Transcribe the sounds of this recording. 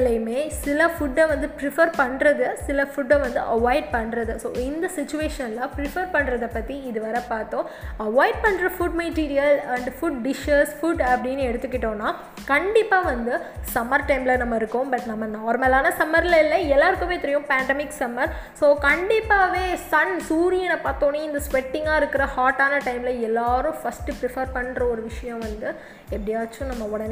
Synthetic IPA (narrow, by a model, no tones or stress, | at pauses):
lɐmeːsɪlɐfʊɖːɐʋɐnd̪ɯpɾɪfɐɾpɐɳːɾɐðɯsɪlɐfʊɖːɐʋɐnd̪ɯʔɐʋaːjɪɖ̚pɐɳːɾɐðɯso̰ːɪnd̪ɐsɪt͡ʃːʊʋeːʂɐnlapɾɪfɐɾpɐɳːɾɐðɐpːɐt̪ːiɪðɯʋɐɾɐpaːɾt̪õːɐʋaːjɪɖ̚pɐɳːɾɐfʊɖ̚meʈiːɾɪjɐlɐɳɖfʊɖɖɪʂɐsfʊɖɐpːɐɽɪnːɯɛɽɯt̪ːɯkːɪʈːõːnːaː | kɐɳɖɪpːaːʋɐnd̪ɯ | sɐmɐɾʈɐɪmɪlɐnɐmːɐɪɾɯkːʊ̃bɐʈnɐmːɐnaːɾmɐlaːnɐsɐmɐɾɪlɐɪlːɐɛlːaːɪɾɯkːɯmeːt̪ɪɾɪjʊ̃paːɳɖɛmɪksɐmɐɾsoːkɐɳɖɪpːaːʋeːsɐnsuːɾɪɛnɐpaːɾt̪õːnːeɪnd̪ɐsʋɛʈːɪ̃ŋɡaːɪɾɯkːɪɾɐhaːɾʈːaːnɐʈɐɪmɪlɐɛlːaːɾʊ̃fɐsʈɯpɾɪfɐɾpɐɳːɾɐɔɾɯʋɪʂɐjɐ̃ʋɐnd̪ɯ | ɛpːɐɽɪjaːt͡ʃːʊ̃nɐmːɐɔɽɐn